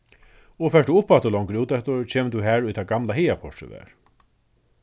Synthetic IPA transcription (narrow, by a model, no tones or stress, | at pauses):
ɔfɛʂt̪uʊpːaɛht̪əlɔŋkəɾuːt̪ɛht̪əɹt͡ʃʰeːmət̪uɦæːɹʊjt̪ʰaːɡamlahɛjapʰɔʂə̰ʋæ̰ːɹ